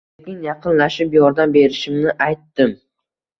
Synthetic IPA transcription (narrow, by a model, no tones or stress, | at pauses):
kʲɪnjɑqʰɨnlaʃɪpjɒɾd̪ambe̞ɾɪʃɪmnɪʔajt̪ːɪm